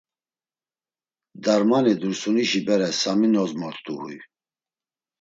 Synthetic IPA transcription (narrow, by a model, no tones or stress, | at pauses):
d̪aɾmanid̪uɾsuniʃibɛɾɛsaminɔzmɔɾt̪ʼuhuj